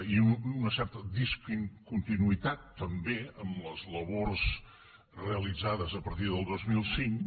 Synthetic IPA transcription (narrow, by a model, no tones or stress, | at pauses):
iuunəsɛɾt̪əðiskiŋkunt̪inuit̪at̪ːəmbeəmləzləβorz | reəlid͡zaðəzəpəɾt̪iðəlˠd̪ozmilˠsiŋk